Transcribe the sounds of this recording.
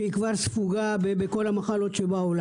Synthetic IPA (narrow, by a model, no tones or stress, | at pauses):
ikvaʁsfuɡabebeko̞lamaχalo̞t̪ʃebaola